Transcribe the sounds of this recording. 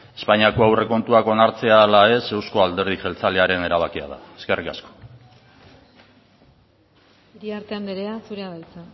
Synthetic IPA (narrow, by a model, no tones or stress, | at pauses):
e̞spaɲiako̞awre̞ko̞nt̪uako̞naɾt͡se̞alae̞se̞wsko̞ald̪e̞ɾð̞iʝe̞lt͡saleaɾe̞ne̞ɾaβ̞akia̰ð̞a̰eske̞rʔikasko̞̥ | iɾiaɾt̪e̞ambe̞ɾe̞asuɾeaβajt͡sa